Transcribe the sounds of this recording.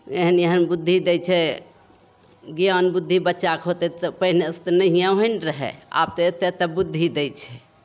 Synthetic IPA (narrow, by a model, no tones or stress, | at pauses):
eɦənjeɦənbud̪ʱːid̪ɛjt͡ʃʰɛ | ɡijanbud̪ʱːibətːʃakɦot̪ɛt̪əpəɦneəst̪nəɦijãɦənɾəɦɛ̰a̰b̚t̪ɔet̪et̪əbud̪ʱːid̪ɛjt͡ʃʰɛ